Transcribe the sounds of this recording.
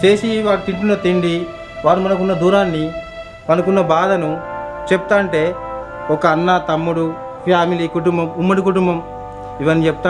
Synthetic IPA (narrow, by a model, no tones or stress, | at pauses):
t͡ʃe̞ːsiʋaːɾut̪iɳʈunɐt̪eɳɖi | ʋaːɾumɐnɐk̬unːɐd̪uːɾaːnːi | mɐnɐkunːɐbaːd̪ɐnut͡ʃeput̪aːɳʈe̞ː | ɔkɐːnːat̪ɐmːuɽu | pʰjaːmilikuʈumbɐmumːɐɽikuʈumbɐm | iʋɐnːit͡ʃeput̪aː